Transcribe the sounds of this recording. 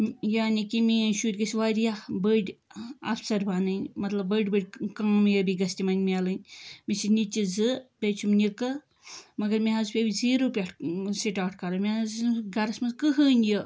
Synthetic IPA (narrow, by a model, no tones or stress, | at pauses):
jaːnikimiʃuɾʲɡɐsʲiʋaːɾijabəɖʲɐ̰fsɐɾbaːnɨnmɐt̪lɐbːəɖʲbəɖʲkɐːmjəbiɡɐst̪ʲimɐnʲmʲialɨnʲmisinit͡ʃizɨpʲet͡ʃʰumnikɨ | mɐɡɐɾmiɦɐzpʲebʲiziːɾoːpʲaʈʰsiʈaːʈ̚ʰkɐɾɐmiazɡɐɾɐsmɐzkɨɦəːnjə